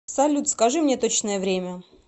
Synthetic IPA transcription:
psɐlʲut̪skɐʐɨmnʲet̪ot͡ɕnəjəvɾʲemʲə

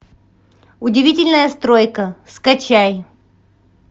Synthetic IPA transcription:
ʊdʲɪvʲitʲɪlʲnəjəst̪ɾojkəskɐt͡ɕaj

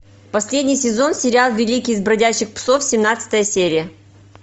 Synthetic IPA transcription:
pɐsʲlʲedʲnʲɪjsʲɪzo̞nsʲɪɾʲɪalˠvʲɪlʲikʲɪjɪzbɾɐdʲæɕːɪxpso̞fsʲɪmnat̪sɨ̥t̪əjəsʲeɾʲɪjə

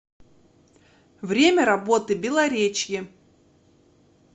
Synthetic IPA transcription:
vɾʲemʲəɾɐbo̞t̪ɨbʲɪlˠɐɾʲet͡ɕjɪ

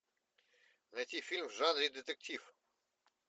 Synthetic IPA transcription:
najtʲifʲilʲmvʐanɾʲid̪ɛt̪ɛk̚tʲif

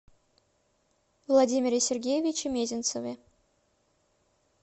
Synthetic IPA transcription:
vlˠɐdʲimʲɪɾʲɪsʲɪrɡʲejɪvʲɪt͡ɕɪmʲezʲɪnt̪səvʲɪ

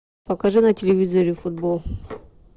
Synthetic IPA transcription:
pɐkɐʐɨnɐtʲɪlʲɪvʲizoɾʲɪʊfud̪̚bolˠ

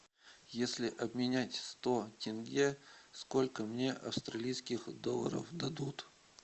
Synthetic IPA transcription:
jesʲlʲɪʔɐbmʲɪnʲætʲst̪otʲɪnɡʲeskolʲkəmnʲe̞ʔɐ̰fst̪ɾɐlʲijskʲɪxd̪o̞lˠə̰ɾə̰fd̪ɐd̪ut̪

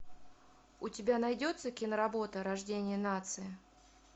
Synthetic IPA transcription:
ʊtʲɪbʲanɐjdʲo̞t̪səkʲɪnəɾɐbo̞t̪əɾɐʐdʲenʲɪjənat̪sɨjɪ

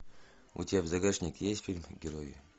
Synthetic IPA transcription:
ṵtʲavzɐɡaʂnʲikjesʲt̪ʲfʲilʲmɡʲɪɾojḭ

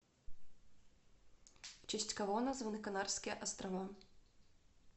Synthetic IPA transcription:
t͡ʃɪsʲt͡sʲkɐvɔnɐzvɐnɨkɐnarskʲijɛʔɐst̪ɾɐva

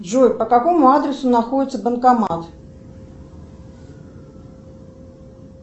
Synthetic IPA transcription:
ʐɔjpɐkakɔmuad̪ɾɛsunaxɔdʲɪt̪sːəbɐnkamat̪

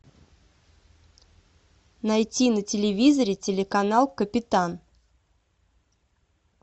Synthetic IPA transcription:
nɐjtʲinətʲɪlʲɪvʲizəɾʲɪtʲɪlʲɪkɐnalˠkəpʲɪt̪an

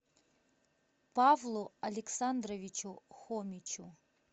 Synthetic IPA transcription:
pavlˠuɐlʲɛksand̪ɾɐvʲit͡ʃuxɔmʲit͡ʃu

